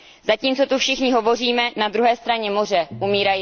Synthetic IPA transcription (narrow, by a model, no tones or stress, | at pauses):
zaciːmt͡so̞t̪ufʃɪxɲɪɦovo̞r̝iːmɛnad̪ɾuɦɛːst̪ɾaɲɛmor̝ɛʔumiːɾaji